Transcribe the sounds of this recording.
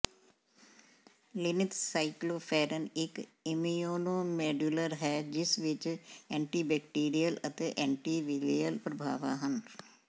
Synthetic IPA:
lɪnɪt̪saːikloːpʰɛːɾənɪkɪmioːnoːmɛːɖjuləɾɦɛːd͡ʒɪsʋɪt͡ʃɛ̃ːɳʈiːbɛːk̚ʈiːɾijələt̪eːʔɛ̃ːɳʈiːʋilijəlpɾəbʱa̰ːʋa̰ːɦən

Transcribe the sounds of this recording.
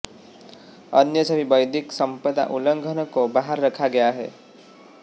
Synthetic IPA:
ənjəsəbʱibəɪd̪ɪksə̃mpəd̪a̰ʔʊlə̃ŋɡʱənkobaɦəɾːəkʰaɡɐjaɦɛ̰ː

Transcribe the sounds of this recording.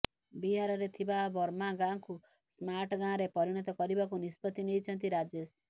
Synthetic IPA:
biɦaɾɔɾet̪ʰibabɔɾmaɡãŋku | smaɾʈɡãɾepɔɾiɽ̃ɔt̪ɔkɔɾibakunispɔt̪inejt͡ʃʰɔnt̪iɾad͡ʒes

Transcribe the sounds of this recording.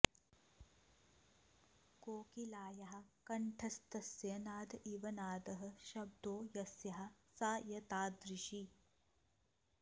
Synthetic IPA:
koːkilaːjɐɦɐ̆kɐɳʈʰɐst̪ɐsjɐnaːd̪iʋɐnaːd̪ɐɦɐ̆ʃɐb̚d̪oːjɐsjɐɦɐ̆saːjɐt̪aːd̪ɾiʃi

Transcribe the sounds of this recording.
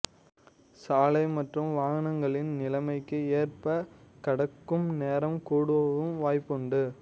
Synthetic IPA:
saːlɐɪmɐʈrɯmʋaːɣɐnɐŋɡɐɭɪnnɪlɐmɐɪkːɯeːrpɐkɐɽɐkːɯmneːɾɐmkuːɽɯʋɐʋɯmʋaːjpːɔɳɖɯ

